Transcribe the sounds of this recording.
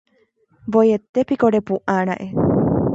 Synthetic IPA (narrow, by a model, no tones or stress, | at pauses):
bojet̪epikoɾepuʔaɾ̃ãʔe